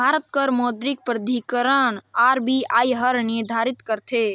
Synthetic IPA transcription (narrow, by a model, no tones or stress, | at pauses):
bʱaɾət̪̚kəɾmod̪ɾik̚pɾəd̪ʱikəɾəɳaɾbʱiaːjɦəɾniɾd̪ʱaɾit̪kəɾt̪ʰe